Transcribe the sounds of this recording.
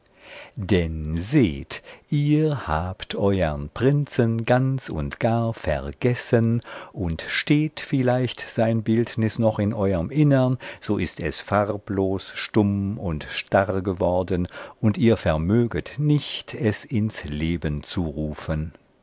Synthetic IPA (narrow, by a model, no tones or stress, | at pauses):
d̥ɛnzeːtʔiːhaːptʰʔɔʏəʁnpʁ̥ɪnt͡sənɡant͡sʊ̰ntɡ̥aːɐfɛʁɡ̥ɛsənʔʊntʃteːtfɪlaɪçtz̥aɪnbɪltnɪsnɔχɪnʔɔʏʁəmʔɪnənz̥oːʔɪstɛ̰sfaʁploːsʃtʊmʊntʃtaʁɡəvɔʁdənʔʊntiːɐfɛɐmøːɡətnɪçtʰɛsɪnsleːbənt͡suʁuːfən